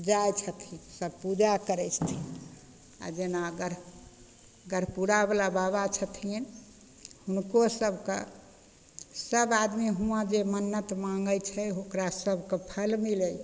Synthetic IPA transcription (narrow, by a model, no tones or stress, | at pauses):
d͡ʒajt͡ʃʰət̪ʰisəbpud͡ʒakəɾət͡ʃʰt̪ʰin | a̰d͡ʒenaəɡəɾ | ɡəɾpuɾabelababat͡ʃʰət̪ʰin | hunkosəbʱkḛ | səbad̪miɦũãd͡ʒemənːət̪maŋɡəjt͡ʃʰɛɦokɾasəbkepʰəlmilɛj